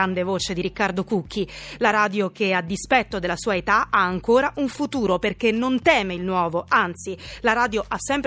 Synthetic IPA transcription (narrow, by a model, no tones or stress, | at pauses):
and̪evoːt͡ʃed̪iɾikːard̪okukːilaɾaːd̪jok̟ead̪ːispɛt̪ːod̪elasuːaet̪aaːŋkoːɾaʔuɱfut̪uːɾoperkenːont̪ɛːmeilnwɔːvoant̪silaɾaːd̪joʔasːɛmpɾ